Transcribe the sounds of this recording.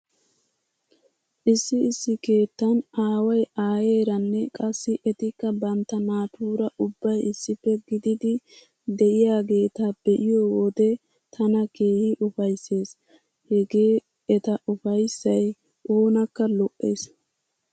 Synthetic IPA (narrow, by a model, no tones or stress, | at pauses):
ʔɪsːɪɪsːɪke̞ːt̪ːɐnaːwɐjaːje̞ːɾɐnːɛkʼɐsːɪʔɛt̪ɪkːɐbɐnt̪ːɐnaːt̪uːɾɐʔʊbːɐjɪsːɪpːɛɡɪd̪ɪd̪ɪ | d̪ɛʔɪjaːɡe̞ːt̪ab̥ɛʔɪjɔwɔd̪ɛ | t̪ʰɐnɐke̞ːhɪʔʊfɐjsːe̞ːs | hɛɡe̞ː | ɛt̪ɐʔʊfɐjsːɐj | ʔoːnɐkːɐlɔʔːḛːs